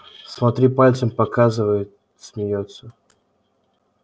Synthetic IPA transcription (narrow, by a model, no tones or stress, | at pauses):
smɐt̪ɾʲipalʲt̪səmpɐkazɨvəjɪt̪ | sʲmʲɪjot̪sə